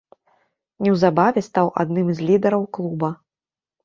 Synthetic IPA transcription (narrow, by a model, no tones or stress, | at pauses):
nʲɛwzabavʲɛst̪awʔa̰d̪nɨmzʲlʲid̪ɐɾɐwklˠubɐ